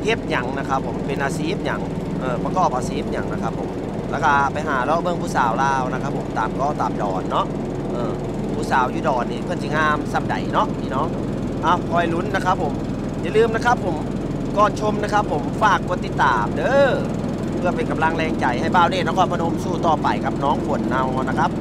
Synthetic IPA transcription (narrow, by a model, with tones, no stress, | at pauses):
ke˦˥p̚ɲa˨˦ŋna˧kʰa˦˥pʰːo˨˦mpe˨˩nʔaː˨˧siː˨˦˥p̚ɲa̰˨˩˦ŋ | ʔɤː˧˩pa˧kɔː˧˩p̚ʔaː˨˧siː˨˦˥p̚ɲa˨˩˦ŋna˧kʰa˦˥pʰːo˨˩˦m | lɛː˧˥˩ka˧pa˨jɦaː˩˦lɔː˧˨bɤ˧˨ŋpʰuː˧˩saː˨˦wlaː˧wna˧˥kʰa˧˥pʰːo˨˩˦mt̪a̰ː˨˩mkɔː˧˩t̪aː˨˦mdɔ̰ː˨˩nːɔ˧˥ʔ | ʔɤː˧˩ | pʰuː˧˩saː˨˦wjuː˧dɔː˨˩nniː˧˩pʰɯ˧˨ns̬ʰi˧ŋaː˧˩msa˧˩m̚da̰˨˦jnɔ˧˦˥ʔiː˧˨nɔ˧˥ʔ | ʔa˧˩wkʰɔː˧˩jlu˧˥˨nːa˧˥kʰa˦˥pʰːo˩˦m | ja˧˨lɯː˧˩mna˧˥˧kʰa˧˦˥pʰːo˨˦m | kɔː˧˩t̪̚t͡ɕʰo˧mna˧˥˧kʰa˦˥pʰːo˨˩˦mfaː˧˩kːu˧ət̪ːi˧˩t̪ːaː˨mdɤː˧˨ | pʰɯ˧ɐpe˨˩nka˨mla˧ŋlɛː˧˩ŋt͡ɕa˨˩jha˧˩jbaː˧˨wdeː˧˩na˧˥˩kʰɔ˧˥˩npʰa˧no˧˦msuː˧˩t̪ɔː˧˩pa˨˩jka˧˥p̚nɔː˧˦˥ŋpʰo˨˦nːa˧˩wɔː˧˩na˧˥kʰa˦˥p̚